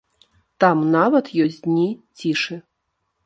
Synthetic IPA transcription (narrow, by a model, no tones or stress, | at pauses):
t̪amnavɐt̪jɔsʲd̪ʲnʲit͡sʲiʂɨ